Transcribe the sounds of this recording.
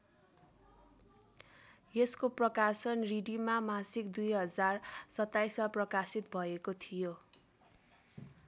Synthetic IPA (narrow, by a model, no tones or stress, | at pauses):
jeskoprʌkasʌnriɖimamasikd̪ujɦʌd͡zarsʌt̪ːajsmaprʌkasit̪bʱʌekot̪ʰijo